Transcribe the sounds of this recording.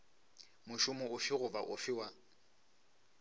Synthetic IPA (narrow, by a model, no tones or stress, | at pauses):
mʊʃʊmʊʊfɪɣʊbaʔʊfɪwa